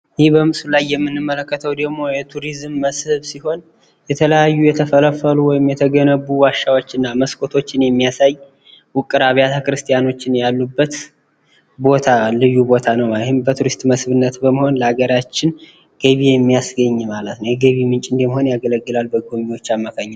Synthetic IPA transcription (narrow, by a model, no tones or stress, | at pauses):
jɪhihbəmɨsulajːɛmːɨnːɨmːələkːət̪ʰəwd̪əɡmo̞jɛt̪ʰuɾizmːəshɨβsiho̞n | jɛt̪ʰələjajːujɛt̪ʰəfələfːəluwɔjɪmjɛt̪ʰəɡənəβːuwaʃːawo̞t͡ʃːɨnːaməskʰʼo̞t̪ʰo̞t͡ʃːɪnjɛmːijasaj | wʊkʼːɨɾaβjat̪ʰəkɨɾɨst̪ʼijano̞t͡ʃːɪnjalːubːət̪ | bo̞t̪ʰalɨjːubo̞t̪ʰanəwɪhɨmbət̪ʰuɾist̪ʼməsβɨnːət̪bəməho̞nləaɡəɾat͡ʃːɪn | ɡ̥əβijɛmːijasɡəɲːmalət̪nəwjɛɡəβimɨnt͡ʃʼɨnd̪eməho̞njaɡələɡːɨlalbəɡomiwo̞t͡ʃːamːakʰaɲː